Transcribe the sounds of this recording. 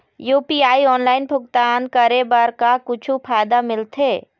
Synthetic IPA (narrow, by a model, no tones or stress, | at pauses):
juːpiaːiɔːnlaːɪnbʱʊk̚t̪ankəɾebəɾkakʊt͡ʃʰupʰaːɪd̪amɪlt̪ʰeː